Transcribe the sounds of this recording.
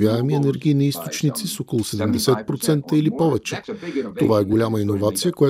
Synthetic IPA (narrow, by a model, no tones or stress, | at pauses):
vʲjaɛmiɛnɛɾɡʲiːniist̪ot͡ʃnit̪sisɔkolˠʊsɛd̪ɛmd̪ɛsɛt̪̚pɾot̪sɛnt̪əilipɔvɛt͡ʃɛt̪ovaɛɡolʲaməinovat̪sijəkoja